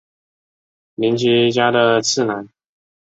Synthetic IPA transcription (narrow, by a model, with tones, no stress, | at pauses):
mi˧˥nt͡ɕi˧˥t͡ɕja˥d̪ə˨t͡sʰɹ̩˥˩na˨˧˥n